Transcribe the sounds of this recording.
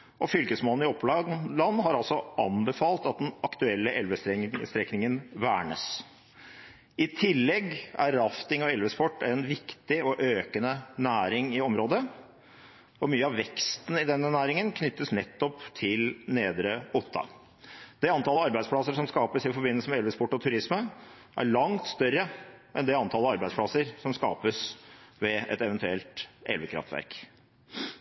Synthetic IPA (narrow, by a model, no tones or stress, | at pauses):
ʔɔfʏlkəsmoːlnɪɔpːlɑːɡlɑnːɦɑɾɑlsɔʔɑ̰nbəfɑːlt̪ɑt̪̚d̪ɛnɑkt̪ʉɛlːəʔɛlʋəst̪ɛst̪ɾɛknɪŋənʋæːɳə̰s | ɪt̪ʰɪlːɛɡæ̰ɾɑft̪ɪŋɔɛlʋəspɔʈːɛnʋɪkt̪ɪɔʔøːkənənæːɾɪŋɪɔmɾoːd̪ə | ɔmyːəɑʋɛkst̪nɪd̪ɛnːənæːɾɪŋənkʰnʏt̪ːəsnɛt̪ːɔpt̪ʰɪlneːd̪ɾəʊt̪ʰːɑ̰ | d̪̥ɛɑnt̪ʰɑləɑɾbæɪspʰɽɑsəʂɔmskɑːpəsɪfɔɾbɪnːəlsəmɛɛlʋəspɔʈːɔt̪ʰʉɾɪsmə | ʔæ̰ɾɭɑŋt̪st̪œɾːəʔɛnd̪ɛɑnt̪ʰɑːləɑɾbæɪd̪spʰɽɑsəɾsɔmskɑ̰ːpəsʋɛʔɛ̰t̪ɛʋənt̪ʉɛlt̪ɛ̰lʋəkʰɾɑ̰ft̪ʋæ̰ɾk